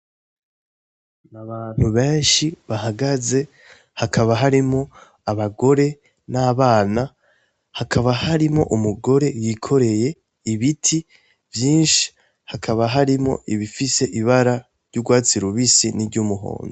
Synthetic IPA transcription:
naβaːn̥huβeːnʃiβaɦaɡaze̞ | hakʰaβaɦaɾimo̞ | aβaɡo̞ɾe̞ | naːβaːna | hakʰaβahaɾimo̞̰ʔumuɡo̞ɾe̞jikʰo̞ɾe̞je̞ | iβitʰi | vjiːnʃi̥ | hakʰaβaɦaɾimo̞̰ʔiβifise̞ʔiβaɾa | ɾɟuɡwaːt͡siɾuβisiniɾɟuːmuɦo̰ːndo

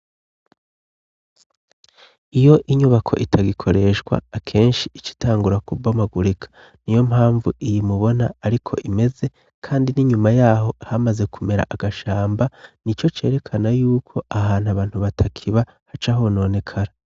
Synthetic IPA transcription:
ijo̞ʔiɲuβakʰo̞̰ʔitʰaɡikʰo̞ɾe̞ʃɡwa̰ːkʰe̞ːnʃiit͡ʃi̥taːŋɡuɾakubomaɡuɾikʰḁ | nijo̞mhaːɱvṵʔijimuβo̞na̰ːɾikʰo̞̰ʔime̞ze̞ | kʰaːndiniɲumajaːɦo̞hamaze̞kʰume̞ɾa̰ʔaɡ̥aʃaːmbanit͡ʃo̞t͡ʃe̞̰ːɾe̞kʰanajuːkʰo̞ahaːnhaβaːn̥huβatʰakʰiβa | hat͡ʃaɦono̞ːne̞kʰaɾa

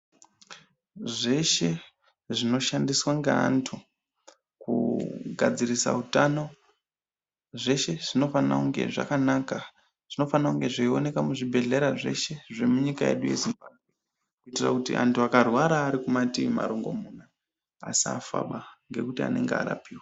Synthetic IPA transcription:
ʐe̞ʃe̞ | ʐino̞ʃandiswaŋɡeantʰu | kṵɡʱad͡zirisa̰utano̞ | ʐe̞ʃe̞ʐ̥ino̞fana̰uŋɡe̞̰ʐa̰kanaːka | ʐ̥ino̞fanauŋɡe̞ʐeio̞ne̞kamuʐibʱe̞ɮe̞ɾaʐe̞̰ʃe̞ʐe̞muɲikaje̞̰ɗuje̞̰zimbabʱwe | kuitira̰kutḭʔa̰ntuakarwaɾaːɾikumatima̰ɾoŋɡo̞̰muːna | a̰sia̰fa̰ɓaŋɡe̞kutia̰ne̞̰ŋɡea̰ɾa̰piːwa

